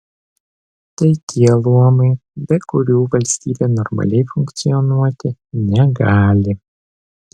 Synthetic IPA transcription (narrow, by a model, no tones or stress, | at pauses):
t̪ɐɪt̪ʲʰiɛlˠuɔmɐɪbʲɛkʊɾʲuːʋɐlʲsʲt̪ʲiːbʲenɔɾmɐ̰lʲɛɪfʊŋʲkt̪sʲɪjɔnuɔt̪ʲɪnʲɛɡɑːlʲɪ